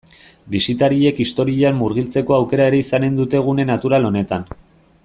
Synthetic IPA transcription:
bisit̪aɾie̞kist̪o̞ɾiamːuɾɣ̞ilt͡se̞ko̞awke̞ɾae̞ɾe̞isane̞nd̪ut̪e̞ɣ̞une̞nat̪uɾalo̞ne̞t̪an

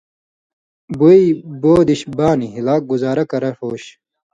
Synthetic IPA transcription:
buijboːd̪iɕbaːniɦilaːk̚ɡuzaːɾɐkɐɾɐʂoːɕ

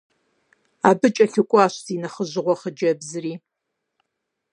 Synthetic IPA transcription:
aːbɨt͡ʃʼɐɬɨkʷʼɔaːʃziːnɐχəʒɪʁʷɔχəd͡ʒɐbzɨriː

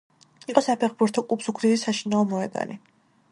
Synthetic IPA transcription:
iqʼɔsapʰɛχbuɾt̪ʰɔkʼupʰsukʰliɾisaʃinaɔmɔɛd̪a̰nḭ

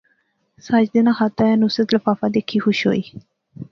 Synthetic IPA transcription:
sad͡ʒd̪ɪnãːxat̪aɛːnusət̪ləfaːfad̪eːkʰːiːxʊʃɦo̰ːiː

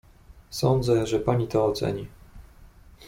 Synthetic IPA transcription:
sɔnd̪zɛʐɛpaɲit̪ɔːt̪sɛ̰ɲi

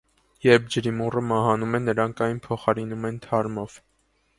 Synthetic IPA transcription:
jɛɾp̚ʰd͡ʒəɾimurəmɑɦɑnumɛnːəɾɑŋkʰɑjnpʰɔχɑɾinumɛnt̪ʰɑɾmɔv̥

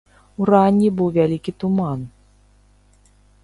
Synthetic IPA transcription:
uranʲibɨwvʲalʲikʲit̪uman

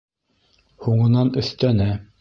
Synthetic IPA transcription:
huɴɤ̆nɑnɵ̆θt̪ænæ

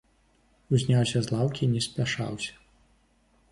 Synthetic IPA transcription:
uzʲnʲawsʲɐzlˠawkʲinʲɛsʲpʲaʂa̰wsʲɐ̥

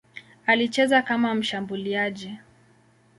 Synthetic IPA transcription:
alit͡ʃɛzakamam̩ʃambuliaʄi

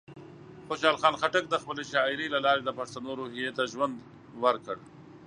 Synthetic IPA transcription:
xoʃɑlxɑːnxaʈək̚d̪əxpəleʃɑɪɾelalɑɾed̪əpaʂt̪anoɾoɦijet̪aʒwand̪ | wəɾkəɽ

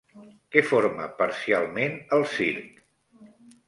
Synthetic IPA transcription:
kɛfoɾmə̰pəɾsialˠmenəlˠsiɾk

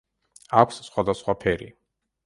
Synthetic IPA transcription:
akʷʰsːχwad̪asχwapʰɛɾḭ

